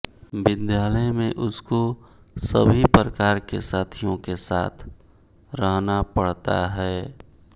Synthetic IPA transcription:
bɪd̪jaːləjmẽʔʊsko | səbʱipɾəkaːɾkḛsaːt̪ʰijõkesa̰ːt̪ʰ | ɾəɦnapəɽ̤t̪a̰ɦɛː

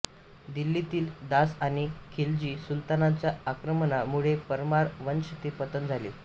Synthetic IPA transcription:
d̪ilːit̪iːld̪asaɽ̃ikʰeld͡ʑiːsult̪anat͡ɕjaakɾəmənamuɭepəɾmaɾʋənɕət̪epət̪ənd͡zʱali

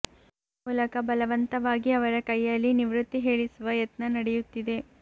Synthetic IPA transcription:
ulɐkɐbɐlɐʋɐnt̪ɐʋaːɡiɐʋɐɾɐkɐjːɐlːiniʋɾut̪ːiɦe̞ːɭisuʋɐjɐt̪nɐnɐɽejut̪ːid̪e̞

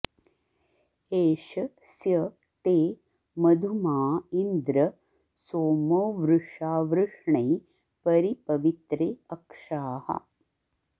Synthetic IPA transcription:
eːʃɐ | sjɐ | t̪eː | mɐd̪ʱumaːind̪ɾɐ | soːmoːʋɾuʂaːʋɾuʂɳeː | pɐɾipɐʋit̪ɾeːɐkʂaːhɐ̰

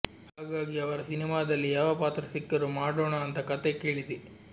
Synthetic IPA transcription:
haːɡaːɡiɐʋɐɾɐsinimaːd̪ɐlːijaːʋɐpaːt̪ɾɐsikːɐɾumaːɽoːɳɐːnt̪ɐkɐt̪eke̞ːɭid̪e

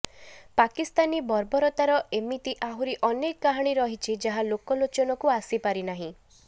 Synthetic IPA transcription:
pakist̪anibɔɾbɔɾɔt̪aɾɔʔemit̪iʔaɦuɾiʔɔnekːaɦaɽ̃iɾɔɦit͡ʃʰid͡ʒaɦalokɔlot͡ʃɔnɔkuasipaɾinaɦĩ

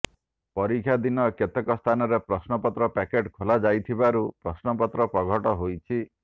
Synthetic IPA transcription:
pɔɾikʰjad̪inɔket̪ekɔst̪ʰanɔɾepɾɔsnɔpɔt̪ɾɔpɛkeʈkʰolad͡ʒajt̪ʰibaɾupɾɔsnɔpɔt̪ɾɔpɾɔɡʱɔʈɔɦojt͡ʃʰi

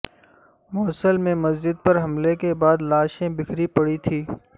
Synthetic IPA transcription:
mɔːsəlmẽmɐzd͡ʒɪd̪̚pɐɾɦɐmlekebaːd̪laːʃẽbɪkʰɾipɐɽit̪ʰiː

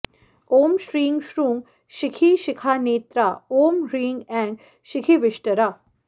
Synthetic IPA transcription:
oːmʃɾiːŋɡʃɾũŋɡ | ʃɪkʰiʃɪkʰaːneːt̪ɾaoːmɾiːŋɡɛ̃ŋɡ | ʃɪkʰiʋɪʃʈəɾa

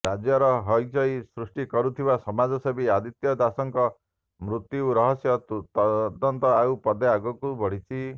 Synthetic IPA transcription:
ɾad͡ʒjɔɾɔɦɔjd͡ʒɔjsɾusʈikɔɾut̪ʰibasɔmad͡ʒɔsɔbʱiad̪it̪jɔd̪asɔŋkɔ | mɾut̪juwɾɔɦɔsjɔt̪ut̪ɔd̪ɔnt̪ɔaupɔd̪eaɡɔkubɔɽ̤it͡ʃʰi

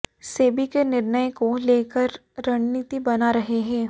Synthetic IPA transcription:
seːbikenɪɾnəjkoleːkəɾ | ɾɐɽ̃niːt̪ibɐnaɾɐɦeɦɛ̃ː

